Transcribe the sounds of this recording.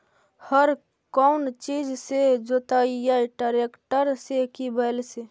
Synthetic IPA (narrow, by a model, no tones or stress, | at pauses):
həɾ | kɔːnt͡ʃiːd͡ʒsed͡ʒoːt̪aːijaʈaɾeːkʈəɾsekibəlse